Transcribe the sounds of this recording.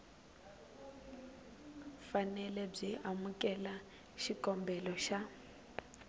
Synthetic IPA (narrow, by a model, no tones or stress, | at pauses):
fanɛlɛb͡ʐiamukʼɛla | ʃikʼɔmbɛlɔʃa